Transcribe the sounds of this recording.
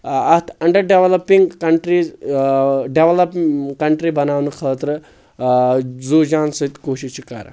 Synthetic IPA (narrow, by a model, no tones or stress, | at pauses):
ɐt̪ʰɐɳɖɐɾɖeʋlɐpːĩŋɡkɐɳʈɾiz | ɖeʋlɐpkɐɳʈɾibɐnaːʋnukʰəːt̪ɾə | d͡zod͡ʒaːnsɐt̪koːɕit͡ʃʰikɐ̰ɾa̰